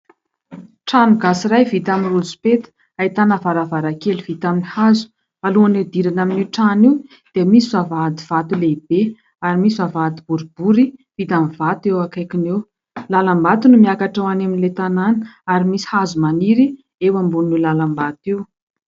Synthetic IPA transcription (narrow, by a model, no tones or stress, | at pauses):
ʈ͡ʂanuɡasiɾajvit̪aminrud͡zu̥pet̪ə̥ | ait̪anavaɾavaɾakeliv̥it̪aminihazu̥ | aluaned̪iɾanaminiʈ͡ʂaniw | d̪̥eamisizavad̪iv̥at̪uleibe | aɾimisivavad̪ibuɾib̥uɾiv̥it̪amivat̪ewakajkinew | lalambat̪unumiakaʈ͡ʂawanaminlet̪ananə̥aɾimisi̥hazumaniɾi | ewambunnilalambat̪iw